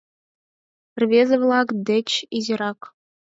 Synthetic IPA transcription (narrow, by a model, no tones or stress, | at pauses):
rʲvʲezʲɘ̆vlˠɑkd̪ʲɘ̆t͡ɕizʲeɾɑk